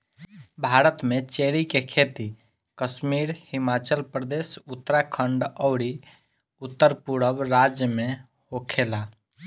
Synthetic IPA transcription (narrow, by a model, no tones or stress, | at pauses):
bʱaɾət̪mẽt͡ʃeɽikekʰet̪i | kəʃmiːɾhimat͡ʃəlpɾəd̪esut̪ːɾakʰəɳɖəʊɽi | ʊt̪ːəɾpuɽəbɾad͡ʒjəmẽ | hokʰela